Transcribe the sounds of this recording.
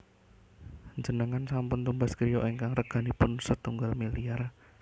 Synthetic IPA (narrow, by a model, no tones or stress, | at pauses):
ɲd͡ʒənəŋansampʊnt̪umbaskəɾijoʔeŋkaŋrəɡ̥a̤nipʊnsət̪uŋɡalmiliar